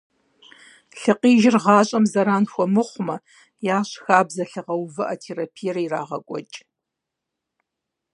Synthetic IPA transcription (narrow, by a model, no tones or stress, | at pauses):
ɬɨqiːʒɪrʁɑːɕʼɐmzɐɾaːnxʷɔmɨχʷmɐ | jaːɕxaːbzɐɬɨʁɐwvɨʔatʰeːɾapʰijɛɾɐira̰ːʁɐ̰kʷʼɔ̰t͡ʃʼ